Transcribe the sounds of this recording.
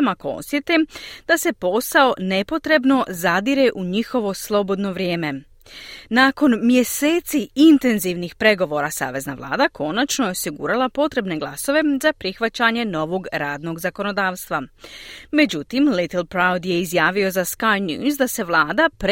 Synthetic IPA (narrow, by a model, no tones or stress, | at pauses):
makoo̰st̪jet̪ed̪ase̞po̞sao̞ne̞po̞t̪ɾe̞bno̞zad̪iɾeʔuɲixo̞ʋo̞slˠo̞bo̞d̪no̞ʋɾjeːme̞ | naːko̞nmje̞seːt̪siint̪e̞nziʋnixpɾe̞ɡo̞ʋo̞ːɾasa̰ːʋe̞zna̰ʋlˠa̰ːd̪akʰo̞nat͡ʃno̞jeo̞siɡṵɾalˠapo̞t̪ɾe̞bne̞ɡlˠaso̞ʋe̞zapɾixʋat͡ɕaɲe̞no̞ʋo̞ɡɾaːd̪no̞ɡzako̞no̞d̪aːʋst̪ʋa | me̞d͡ʑut̪imlit̪lˠpɾawd̪je̞izjaːʋio̞zaskajnjṵːzd̪ase̞ʋlˠaːd̪apɾ